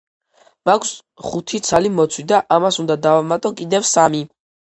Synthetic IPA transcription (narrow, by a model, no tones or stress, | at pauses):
makʰs | χut̪ʰit̪sʰalimɔt̪sʰwid̪aʔamasund̪ad̪avamat̪ʼɔkʼid̪ɛvsami